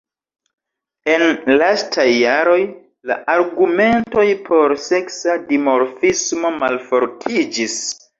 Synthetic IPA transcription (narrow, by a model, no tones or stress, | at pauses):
e̞nlastʰajːaɾo̞j | la̰ʔaɾɡume̞nto̞jpʰo̞ɾse̞ksadimo̞ɾfismo̞malfo̞ɾtʰid͡ʒis